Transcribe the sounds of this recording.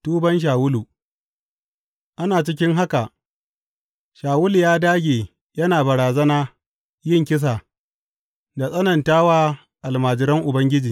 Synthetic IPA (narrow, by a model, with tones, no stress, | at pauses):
tuː˦bɐ˦nʃ̬aː˨wʊ˦lu˨ | ʔa˦naː˨t͡ʃɪ˦kʲɪ˦ŋɦa˦ka˨ʔ | ʃaː˨wʊ˦ljaː˦daː˦ɡʲeː˨ | jɐ˦naː˨bɐ˨ɾaː˨zɐ˦naː˦ | jɪ˦˨ŋkʲɪ˦s̬aː˨ | da˨sʼɐ˦nɐ˨ntaː˦waː˦ | ʔa˨lmaː˨d͡ʒɪ˨ɾɐ˦ŋʔʊ˨bɐ˦ŋɡʲɪ˦d͡ʒiː˨